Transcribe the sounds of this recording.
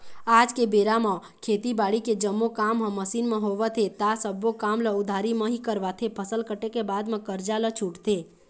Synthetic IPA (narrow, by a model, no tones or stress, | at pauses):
aːd͡ʒkebeːɾamə̃ | kʰeːt̪ibaːɽiked͡ʒəmːokaːmɦə̃məsiːnmẽɦoʋət̪ʰet̪asəbːokaːmləʊd̪ʱaɾimə̃ɦikəɾʋat̪ʰepʰəsəlkəʈekebaːd̪mẽkəɾd͡ʒalət͡ʃʰuʈt̪ʰe